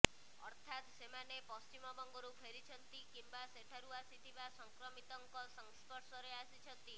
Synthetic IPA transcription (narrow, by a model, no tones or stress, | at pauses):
ɔ̰ɾt̪ʰat̪semanepɔst͡ʃimɔbɔŋɡɔɾupʰeɾit͡ʃʰɔnt̪ikimbaseʈʰaɾuasit̪ʰibasɔŋkɾɔmit̪ɔŋkɔsɔŋspɔɾsɔɾeasit͡ʃʰɔnt̪i